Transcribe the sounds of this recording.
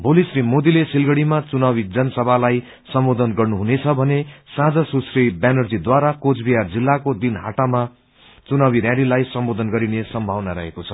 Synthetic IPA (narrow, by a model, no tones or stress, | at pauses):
bʱolisrimod̪ilesilɡʌɽimat͡sunabid͡zʌnʌsʌbʱalaj | sʌmbod̪ʱʌnɡʌrnuɦunet͡sʰʌbʱʌnesãd͡zʌsusribanʌrd͡zid̪waɾakod͡zbiɦard͡zilːakod̪inɦa̰ʈama | t͡sunabiɾjãɽilajsʌmbod̪ʱʌnɡʌɾinesʌmbʱawnaɾʌ̰ɦekot͡sʰʌ̥